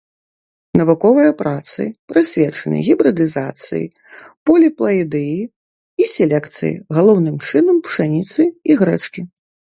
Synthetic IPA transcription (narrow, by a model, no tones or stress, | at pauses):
nɐvukɔvɐjɐpɾat̪sɨ̰pɾɨsʲvʲɛt͡ʂɐnɨ̰ɣʲibɾɨd̪ɨzat̪sɨ̰jḭ | pɔlʲiplˠɐid̪ɨji | isʲɛlʲɛkt̪sɨ̰jḭɣalˠɔwnɨmt͡ʂɨnɐmpʂanʲit̪sɨiɣɾɛt͡ʂkʲi